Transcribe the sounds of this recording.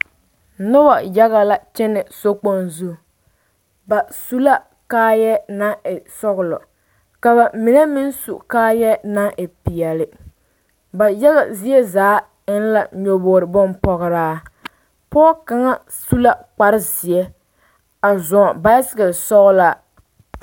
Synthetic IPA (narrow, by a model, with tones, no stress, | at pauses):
nɔ˦ba˨ja˦ɣa˨la˨t͡ʃɛ˦nɪ˨so˦k͡po˦nzu˦˨ | ba˨su˦la˦ | kaː˦jɛ˦na˦ɪ˨sɔ˦ɣʊ˨lɔ̰˨ | ka˨ba˨mi˨nɛ˦mɪ˦n˦su˨kaː˦jɛ˦na˦ʔɪ˨pi˨jɛ˨lɪ˨ | ba˨jɛ˦ɣa˨zi˦ɛ˦zaː˨˦ | ɪ˦n˦la˨ɲo˨boː˨ɾɨ˨bʊ˦npɔ˦ɣɨ˦ɾaː˦ | pɔː˦ka˨˦ŋa˦ | su˦la˦k͡pa˦ɾɪ˦zi˨ɛ˦ | a˨zɔ˨ba˦ɪ˦sɪ˦ɣɪ˨sɔ˦ɣʊ˦la˦